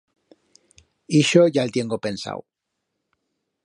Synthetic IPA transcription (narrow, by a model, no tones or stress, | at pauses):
iʃoʝaelt̪je̞ŋɡope̞nsa̰w